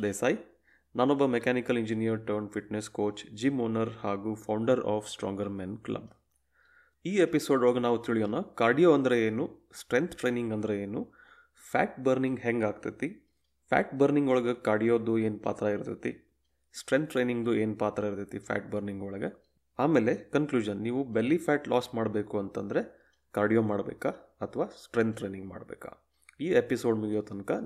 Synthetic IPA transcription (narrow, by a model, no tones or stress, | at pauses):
d̪eːsaːji | naːnɔbːɐmekaːnikɐliɲd͡ʒinijɐɾʈoːnfʰiʈneskoːt͡ʃd͡ʒimoːnɐɾhaːɡupʰɐwɳɖɐɾaːfʰsʈɾɔ̰ːŋɡɐɾmenklɐ̰b | iːepiso̞ːɖoːɡɐnaːʋut̪iɭijoːnɐkaːɽijoːɐnd̪ɾeeːnusʈɾeŋt̪ʰʈɾejniŋɡɐnd̪ɾeeːnu | pʰa̰ːʈ̚bɐɾniŋɡɦeŋɡaːɡ̚t̪it̪i | pʰæ̰ːʈbɐɾniŋɡɔɭɐɡekaːɖijoːd̪ue̞ːnpa̰ːt̪ɾɐiɾt̪it̪ḭ | sʈɾent̪̚ʰɾejniŋɡd̪ueːnpaːt̪ɾɐiɾt̪it̪ipʰæ̰ːʈ̚bɐɾniŋɡɔɭɐɡe | aːme̞ːlekɐnkluːd͡ʒɐnːiːʋubelːipʰæːʈlaːsmaːɽbe̞ːkuɐnt̪ɐnd̪ɐɾe̞ | kaːɾɖijoːmaːɽbḛːkaɐt̪ʰɐʋaːsʈɾent̪̚ʰːɾejniŋɡma̰ːɽbḛːka̰ | iːepiso̞ːɖmuɡijoːt̪ɐnkɐ